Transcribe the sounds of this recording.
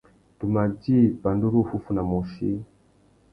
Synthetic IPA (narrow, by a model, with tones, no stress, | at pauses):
tu˨ma˨ɟi˦pa˨ndu˦ɾu˦˨fu˦fu˨˦na˨mu˨ʃḭ˦